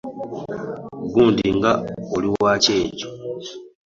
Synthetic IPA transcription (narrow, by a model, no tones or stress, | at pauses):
ɡuːndiŋɡaoliwaːce̞ːco